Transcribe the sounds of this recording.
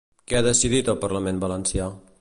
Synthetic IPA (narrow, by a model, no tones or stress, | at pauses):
kɛaðəsiðit̪əlˠpəɾləmenbələnsja